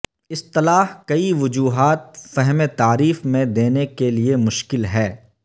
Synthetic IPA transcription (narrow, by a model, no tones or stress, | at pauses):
ɪst̪ɪlaːɦkɐiʋʊd͡ʒuːɦaːt̪̚fɛɦmet̪aːɾiːfmẽd̪eːnekeliemʊʃkɪlɦɛː